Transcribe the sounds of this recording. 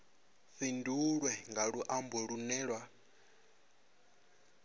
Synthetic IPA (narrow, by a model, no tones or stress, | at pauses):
ɸinduɺwɛŋɡaɺuʔambɔɺunɛːɺwa